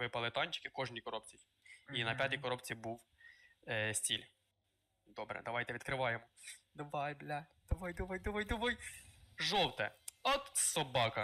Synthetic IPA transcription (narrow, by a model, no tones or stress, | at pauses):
ʋɪpɐlˠɪt̪ɑnʲt͡ʃɪ̥kɪkɔʒnʲikɔɾɔp̚t͡sʲi | inɐpʲjat̪ʲikɔɾɔpt͡sʲibuw | sʲtʲilʲ | d̪ɔbɾɛ̰d̪ɐʋɑjt̪ɛʋʲid̪̚kɾɪʋɑjemɔd̪ɐʋɑjblʲad̪̥ɐʋɑjd̪ɐʋajd̪ɐʋajd̪ɔʋɔjʒɔw̪ˠt̪ɛ̰ɔt̪sɔbɑkɐ